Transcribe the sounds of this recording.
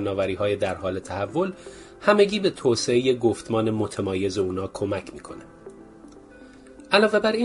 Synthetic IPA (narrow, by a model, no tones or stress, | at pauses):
nɒːvæɾiːɦɒːjed̪æɾhɒːle̞t̪ʰæhævːo̞l | hæme̞ɟiːbe̞t̪ʰoːse̞eje̞ɡoft̪mɒːnemo̞t̪ʰemɒːje̞zeuːnɒːkʰo̞mæcʰmiːkʰo̞ne | ʔælɒːve̞bæɾiː